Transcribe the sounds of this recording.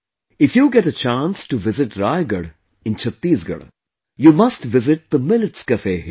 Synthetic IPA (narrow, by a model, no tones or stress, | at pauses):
ɪfjuːɡɛʈət͡ʃãːnsʈuʋɪzɪʈɾaɪɡəɽ | ɪ̃nt͡ʃʰɐt̪ːiːsɡə̰ɽ | juːmɐsʈʋɪzɪʈ̚d̪əmɪlɪʈskəfeːɦ